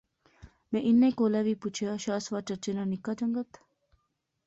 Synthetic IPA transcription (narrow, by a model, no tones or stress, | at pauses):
mẽʔinːẽkoːlaːʋiːput͡ʃʰijaːʃaːsʋaːt͡ʃət͡ʃinaːnikːaːd͡ʒəŋɡət̪